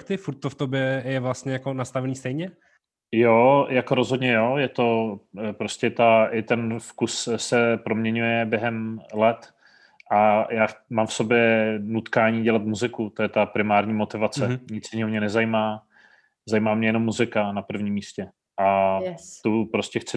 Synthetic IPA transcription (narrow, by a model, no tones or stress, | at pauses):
kt̪ɪfuɾt̪ːoft̪objɛjɛvlast̪ɲɛjakonast̪avɛniːst̪ɛjɲɛ | jojakoɾo̞zɦod̪ɲɛjo̞jɛt̪o̞pɾo̞scɛt̪aʔɪt̪ɛnfkussɛpɾo̞mɲɛɲujɛbjɛɦɛmlɛt̪ | ʔajaːmaːmfso̞bjɛnut̪kaːɲiːɟɛlat̪muzɪkut̪o̞jɛt̪apɾɪmaːɾɲiːmo̞t̪ɪvat͡sɛɲɪt͡sɲɛɦomɲɛnɛzajimaː | zajimaːmɲɛjɛno̞mːuzɪkanapr̩vɲiːmːiːscɛ | ʔat̪upɾo̞scɛxt͡sɪ